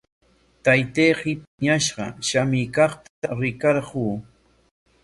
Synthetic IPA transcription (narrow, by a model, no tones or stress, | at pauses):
t̪ajt̪ejɢɪpɪɲaʃɢɑ̰ʃamikɑχt̪aɾɪkɑɾɢuː